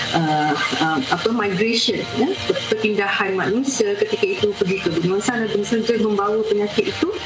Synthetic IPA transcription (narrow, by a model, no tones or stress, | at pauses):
ʔəəmapəmãjɡɾeʃənjaəpərpindahanmãnũsiakət̪ikait̪upərɡikəbənũãnsanabənsəd͡ʒəʔmə̃mbawapəɲãkɪt̪̚it̪u